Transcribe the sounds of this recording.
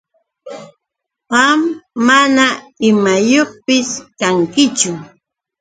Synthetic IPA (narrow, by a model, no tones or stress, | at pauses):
ɢɑmːanaɪmajoχpɪskaŋkɪt͡ʃʊ